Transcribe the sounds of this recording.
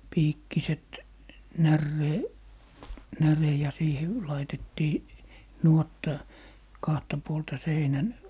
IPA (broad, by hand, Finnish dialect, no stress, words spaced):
piːkːiset nærːeː nære jɑ siːhe lɑitetːiː nuotːɑ kɑhtɑ puoltɑ seinæn